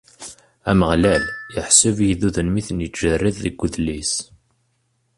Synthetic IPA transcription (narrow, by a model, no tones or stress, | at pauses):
æməʁlæljəħsuvjiðuðənmiθənjəʒərːiððəɡʷːʊðlis